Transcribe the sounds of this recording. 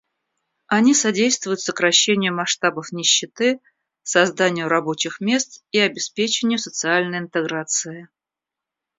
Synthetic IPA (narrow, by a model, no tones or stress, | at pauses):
ɐnʲisɐdʲejst̪vʊjʊt̪səkɾɐɕːenʲɪjʊmɐʂt̪abəfnʲɪɕːɪt̪ɨ | sɐzd̪anʲɪjʊɾɐbo̞t͡ɕɪxmʲe̞st̪iɐbʲɪspʲet͡ɕɪnʲɪjʊsət̪sɨalʲnəjɪnt̪ɨɡɾat̪sɨɪ